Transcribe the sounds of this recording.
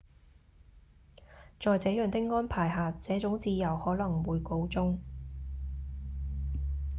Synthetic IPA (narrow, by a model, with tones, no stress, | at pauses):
t͡sɔː˨˧jt͡sɛː˨˥jœː˨˩ŋt̪ɪ˥k̚ŋɔː˥npʰaː˨˩jɦaː˨t͡sɛː˨˥t͡sʊ˨˥ŋt͡siː˧jɐ˨˩whɔː˨˥lɐ˨˩ŋwuː˨˧jko˧wt͡sʊ˥ŋ